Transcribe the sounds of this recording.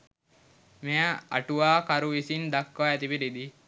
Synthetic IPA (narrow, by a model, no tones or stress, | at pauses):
meaa̰ʈuʋaːkaɾuʋisind̪akːʋaɛt̪ipiɾid̪i